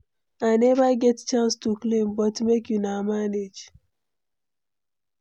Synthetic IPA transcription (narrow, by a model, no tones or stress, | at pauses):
anɛvaɡɛtt͡ʃãnstuklĩmbɔtmekjunamaned͡ʒ